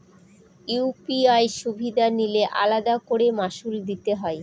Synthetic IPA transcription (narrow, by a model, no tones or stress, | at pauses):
upiajʃubʱid̪anileʔa̰lad̪akoɽemaʃuld̪it̪eɦɔe